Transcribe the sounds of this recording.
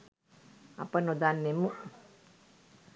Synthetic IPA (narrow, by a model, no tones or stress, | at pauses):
a̰pənod̪anːemu